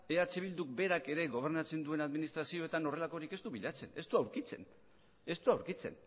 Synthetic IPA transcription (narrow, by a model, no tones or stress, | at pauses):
e̞at͡se̞βild̪uk̚be̞ɾake̞ɾe̞ɣo̞β̞e̞ɾnat͡se̞nd̪ue̞naðminist̪ɾasio̞e̞t̪ano̞re̞lako̞ɾike̞st̪uβiʎat͡se̞̰ne̞st̪uawɾkit͡se̞̰n | e̞st̪uawɾkit͡se̞̰n